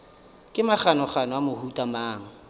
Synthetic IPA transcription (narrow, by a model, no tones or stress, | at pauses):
kʼɪmaχanɔχanɔamʊhutʼamaːŋ̩